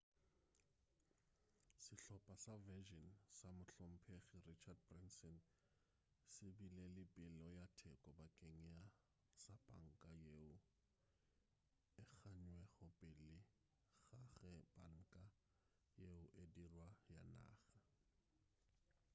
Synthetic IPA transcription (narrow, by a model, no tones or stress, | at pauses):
sɪɬɔpʼasavɛʒɔnsamʊɬɔm̩pʰeχɪrit͡ʃʰad̚brɪnsɔn | sɪbilelɪpʼɪlɔjatʰɛkʼɔbakʼeŋ̩ja | sabʼa̰ŋ̩kʼajeʊ | ɪk͡xʰaɲwɛɣʊpʼɪlɪ | ɣaχɛbaŋ̩kʼa | jeʊʔedirwajana̰ːɣa